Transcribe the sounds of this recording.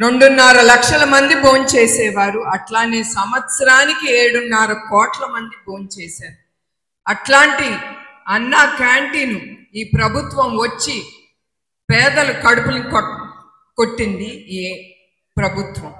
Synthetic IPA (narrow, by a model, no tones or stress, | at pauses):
ɾo̞ɳɖunːaːɾɐlɐkʂɐlɐmɐnd̪iboːnt͡ʃɛːsɛːʋaːɾuɐʈlaːneːsɐmʋɐt̪sɐɾaːnikieːɽunːaːɾɐkɔːʈlɐmɐnd̪iboːnt͡ʃɛːsaːɾu | ɐʈlaːɳʈiɐnːaːkaːɳʈiːnuiːpɾɐbʱut̪ʋɐmʋot͡ʃːi | pɛːd̪ɐlukɐɽupulik | ko̞ʈːind̪ie | pɾɐbʱut̪ʋɐm